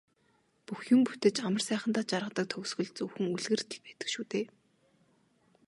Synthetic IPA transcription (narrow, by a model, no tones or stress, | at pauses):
puxjɵmput̪ɘ̆t͡ɕamə̆rsæːχə̆nt̪aːt͡ɕaɾʁə̆t̪ə̆k̚t̪ʰɵw̆sɣɵ̆ɮt͡suwxɘ̆ŋuɮɣɘ̆rt̪ʰe̥kpæːt̪ə̆kʃuːt̪eː